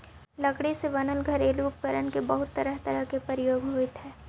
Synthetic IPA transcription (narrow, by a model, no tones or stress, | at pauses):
lɐkɽesebɐnəlɡʱəɾeːluːk̚pəɾənkebɐɦʊt̪ːɐɾəɦt̪ɐɾəkepəɾɪjoːɡɦoːet̪ɦɛː